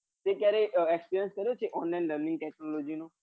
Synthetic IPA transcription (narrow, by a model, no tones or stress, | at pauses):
t̪eːkɛːɾeʔɛkspiːɾijə̃nskəɾiot͡ʃʰiʔɔ̃ːnlaːnləɾnɪ̃ŋɡ̚ʈɛːknoːloːd͡ʒiːnũː